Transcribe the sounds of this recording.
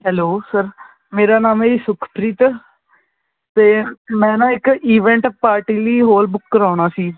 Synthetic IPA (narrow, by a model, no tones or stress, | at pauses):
ɦɛloːsəɾ | meːɾaːnaːmeːsʊkʰpɾiːt̪ | t̪eːmɛ̃ːnãːɪkiːʋɛ̃ːɳʈpaːɾʈiːliːɦoːlbʊkːəɾaːɳ̃aːsiː